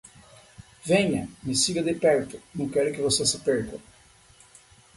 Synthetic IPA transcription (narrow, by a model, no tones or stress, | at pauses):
vẽɲɐmɪsiɡɐd̪ɪpɛɾt̪ʊ̥nɐ̃w̃kɛɾʊkɪvosesɪpɛɾkɐ